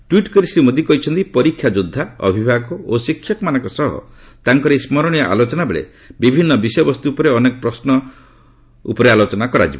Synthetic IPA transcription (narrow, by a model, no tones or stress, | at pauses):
ʈwiʈkɔɾisɾimod̪ʱikɔɦit͡ʃʰɔnt̪ipɔɾikʰːjad͡ʒud̪ʱːaɔ̰bʱibʱaɡɔosikʰːjɔkɔmanɔŋkɔsɔɦɔ̰ | t̪aŋkɔɾeismɔɾɔɽ̃ijaʔa̰lot͡ʃɔnabeɭḛ | bibʱinːɔbisɔjbɔst̪uːpɔɾeɔnekɔpɾɔsnɔ | ṵpɔɾealot͡ʃɔnakɔɾa̰d͡ʒibɔ